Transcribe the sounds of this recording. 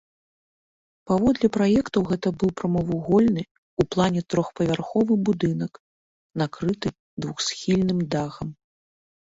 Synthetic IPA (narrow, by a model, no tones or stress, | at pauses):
pavɔd̪lʲɛpɾajɛkt̪ɐwɣɛt̪ɐbɨwpɾɐmɐvuɣɔlʲnɨ | uplˠanʲɛt̪ɾɔxpɐvʲarxɔvɨbud̪ɨnɐk | nakɾɨt̪ɨ | d̪vuxsʲxʲilʲnɨmd̪aɣɐm